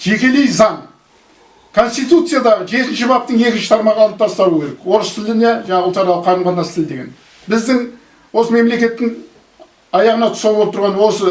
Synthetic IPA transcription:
ʒ̥e̞kʲe̞lejzɑɴ | kʰo̞nst̪it̪ut̪sɨjad̪ɑʁʒe̞t̪ɪnʃɪbɑp̚t̪əɴje̞kʲɪnʃɪ̥t̪ʰɑɾmɑʁəɑlˠəpt̪ʰɑst̪ɑɾuːəkʲeɾekwo̞ɾəst̪ʰɪld̪ɪne̞ʒɑɴɑʁəlˠt̪ɑɾɑlˠəqʰɑɾəmʁɑnɑsət̪ʰɪld̪e̞ɡʲe̞̰n | bɪzd̪ɪŋ | wo̞səme̞mle̞kʲe̞t̪ːɪŋ | ɑjɑʁənɑt̪ʰʊ̥sɑlˠbolˠp̚t̪ʊɾʁɑnwo̞sə

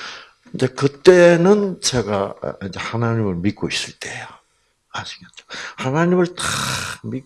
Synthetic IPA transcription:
ind͡ʑe̞kɯt̪͈e̞nɯnt͡ɕeɡaind͡ʑe̞hanaɲimɯɭmik͈̚ois͈ɯɭt͈ejo | ad͡ʑʰiɡent͡ɕo̥hanaɲimɯɭtḁmik

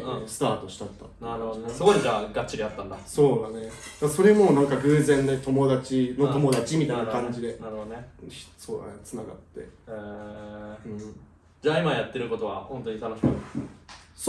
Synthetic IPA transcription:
sɨ̥t̪aːt̪o̞ɕi̥t̪at̪ːa̰naɾsɨɡoɲid͡ʑaɡat͡ɕt͡ɕːiɾʲiat̪ːãnd̪aso̞ːd̪ane̞d̪̥aso̞ɾe̞mo̞ːnãŋkaɡɯ̟ːzẽ̞nd̪et̪o̞mo̞d̪at͡ɕino̞t̪o̞mo̞d̪at͡ɕimʲit̪ainaakãɲ̟d͡ʑid̪e̞naɾɯoeç̥so̞ːd̪a̰net͡sɨnaɡa̰t̪ːe̞̰e | ɯ̃ | d͡ʑaːimajat̪ːe̞ɾɯ̟ko̞t̪o̞βahõ̞nt̪o̞ɲ̟it̪ano̞ɕi̥mkɯ | s

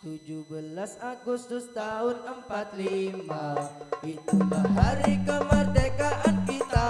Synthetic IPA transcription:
t̪ud͡ʒubəlasaɡust̪ʊst̪aɦʊnəmpat̪̚limaʔit̪ulaɦaɾikəmərd̪ekaʔankit̪a

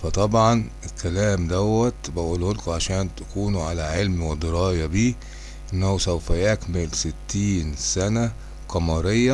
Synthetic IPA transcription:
fæt̪ˤɑbʕɑnʔelkælæːmd̪æwːæt̪bæʔuːlholkʕaʃæːnt̪æ̥kuːnʕalæʕelmwed̪ɑɾˤɑːjæbiː | ʔenːæhusæwfæjækmɪlsɪt̪ːiːnsænæ | qɑmɑɾejːæ

